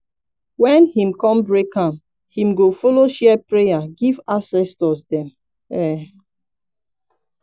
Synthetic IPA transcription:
wɛ̃nhĩmkɔ̃mbɹekãm | hĩmɡofɔloʃɛpɹejaɡivasɛstɔsdɛ̃m | ɛ

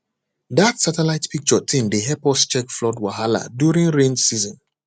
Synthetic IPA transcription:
datsatɛlaɪtpik̚t͡ʃɔtʰĩmdeɦɛpɔst͡ʃɛkflɔdwaɦala̰djuɹĩŋɹẽnsizɔ̃n

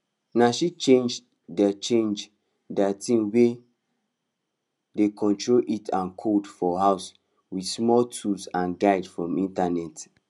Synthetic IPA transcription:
naʃit͡ʃẽnd͡ʒ | dɛt͡ʃẽnd͡ʒ | dɛtʰĩnwe | dekʰɔ̃ntʰɹolʔitʰãnkʰodfɔhaʊs | widsmɔltʰusãnɡaɪdfɹɔ̃mĩntanɛt

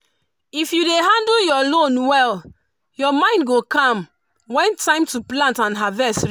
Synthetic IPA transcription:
ifjudeɦãnduljɔlõnwɛl | jɔmãɪ̃ndɡokãm | wɛ̃ntʰãɪ̃mtuplãntãnɦavɛs

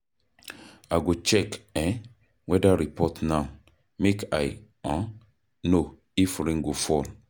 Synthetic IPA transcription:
aɡot͡ʃɛkɛ̃ | wɛdaɾipʰɔtna | meka̰ɪ | ɔ̃ | no | ifɾĩŋɡofɔl

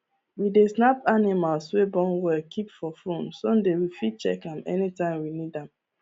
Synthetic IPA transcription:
widesnapanimalswebɔ̃nwɛlkʰipfɔfõnsɔ̃ndewifit͡ʃɛ̰kãnɛ̰nitãɪ̃mwinidãm

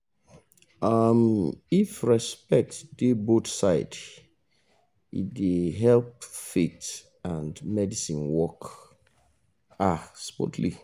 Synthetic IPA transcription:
ʔamifɹɛspɛk̚td̥ebotsaɪd | ḭdeɦɛlp̚fit | ãndmɛdisĩnwɔk | aspɔ̰tʰlḭ

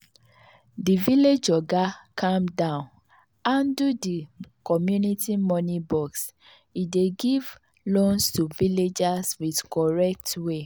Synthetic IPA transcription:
diviled͡ʒɔɡakʰãmdãʊ̃n | ãndudikɔmjunitimɔnibɔks | ideɡiv | lõnstuviled͡ʒaswidkʰɔɹɛk̚twe

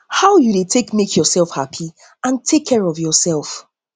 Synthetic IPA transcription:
haʊjudetʰekmekʰjɔsɛlˠfhapʰi | ãntʰekʰːɛɹɔvjɔsɛlˠf

